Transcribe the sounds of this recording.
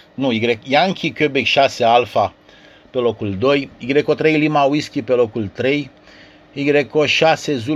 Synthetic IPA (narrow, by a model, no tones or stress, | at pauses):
nuiɡɾekjaŋkʲikʲøbekʃasealfa | pelokuld̪ojiɡɾekot̪ɾejlimawiskʲipelokult̪ɾej | iɡɾekoʃasezu